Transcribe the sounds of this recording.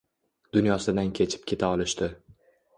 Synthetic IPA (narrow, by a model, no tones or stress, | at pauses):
d̪ʊnjɒsɪd̪ankʲʰe̞t͡ʃʰɪ̥p̚kʲʰe̞t̪ʰaɒlˠɪʃt̪ɪ